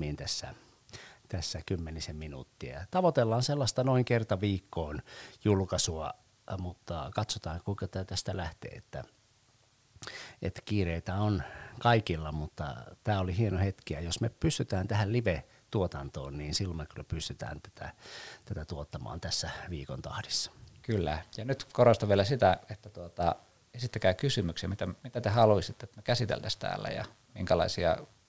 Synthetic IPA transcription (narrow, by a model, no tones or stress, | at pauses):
iːnt̪æsːæ̰ | t̪æsːækymːenisemminṵːt̪ːiæ̰t̪ɑʋot̪elːɑːnselːɑst̪ɑnoiŋkert̪ɑʋiːkːoːnjulkɑsuɑ | mut̪ːɑ̰kɑt̪sot̪ɑːŋkuikɑt̪æt̪æst̪ælæht̪ḛːḛt̪ːæ̰ | ḛt̪ːæ̥kiːreit̪æonkɑikilːɑmut̪ːɑ̰t̪æːolihienohet̪kiɑjosmepyst̪yt̪æːnt̪æhælliʋe | t̪uot̪ɑnt̪o̰ːnniːnsilːomekylːæpyst̪yt̪æ̰ːnt̪æ̥t̪æ̰t̪æt̪æt̪uot̪ːɑmɑ̰ːnt̪æsːæʋiːkont̪ɑhdisːɑ̥kylːæ̰jɑnyt̪korost̪ɑʋielæsit̪æet̪ːæt̪uot̪ɑ̰ | esit̪ːækæːkysymyksɑmit̪æmit̪æt̪ehɑluisit̪ːet̪mekæsit̪ḛlt̪æst̪æ̰ːlːæ̰jɑ̰ | miŋkælɑ̰isiɑ̰